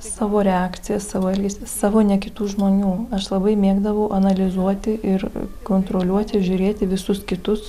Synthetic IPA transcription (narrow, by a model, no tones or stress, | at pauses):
sɑːʋoːɾʲɛɑːkt̪sʲɪjɛssɑːʋoːɛlʲɡʲesʲɪsɑːʋoːnʲɛkʲɪt̪uːʒmoːnʲuːɐʃlˠɐbɐɪmʲeːɡd̪ɐʋɐʊʔɐnɐlʲɪzuɔt̪ʲɪʔɪɾkoːnt̪ɾoːlʲuɔt̪ʲɪʒʲʊɾʲeːt̪ʲɪʋʲɪsʊskʲɪt̪ʊs